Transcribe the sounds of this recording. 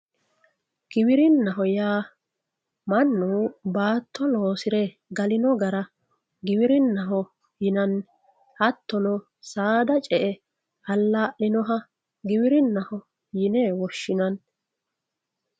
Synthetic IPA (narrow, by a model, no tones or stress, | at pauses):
ɡ̥ɪbɪɾɪnːɐɦɔjaː | mɐnːubaːt̪ːɔlo̞ːsɪɾɛ | ɡɐlɪnɔɡɐɾɐ | ɡɪbɪɾɪnːɐɦɔ | jɪnɐn | hɐt̪ːɔnɔ | saːd̪ɐt͡ʃʼɛʔɛ | hɐlːaːʔɪnɔɦɐ | ɡɪbɪɾɪnːɐhɔ | jɪnɛwɔʃːɪnɐn